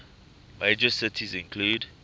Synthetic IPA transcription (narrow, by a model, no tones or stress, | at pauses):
med͡ʒəsɪtʰizɪ̃nkʰluːd